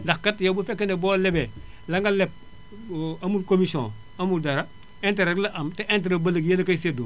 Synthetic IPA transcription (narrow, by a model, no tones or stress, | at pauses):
ndakkatjobufekːenebɔːlɛbɛ | laŋɡalɛp̚ | amukomisiõ̰ | amudaɾa | enteɾelaʔamteʔentɾabalɐɡjenakaisedo̰